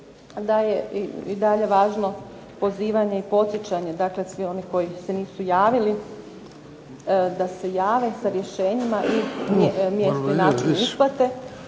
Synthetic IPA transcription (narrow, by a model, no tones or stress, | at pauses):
d̪aje̞id̪aʎe̞ʋaːʒno̞ | po̞ziːʋaɲe̞ipo̞t̪sʲjet͡ɕaɲe̞d̪aːkle̞sʋio̞niko̞jise̞niːsujaːʋili | d̪ase̞jaːʋe̞saɾje̞ʃe̞ːɲimaʔimmjest̪oinaːt͡ʃinisplat̪e̞